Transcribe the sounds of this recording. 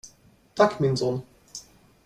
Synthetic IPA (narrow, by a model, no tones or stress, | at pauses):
t̪akʰminzon